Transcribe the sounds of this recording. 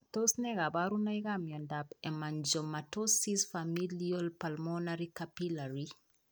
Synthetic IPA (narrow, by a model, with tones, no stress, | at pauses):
to˦snɛ˦ɡa˨baɾu˦na˦iɡa˦mjɔ˨nda˨bɛ˨ma˨ɲd͡ʒo˨mːa˨tosisfami˦lio˦lpalmɔnaɾikapila˨ɾi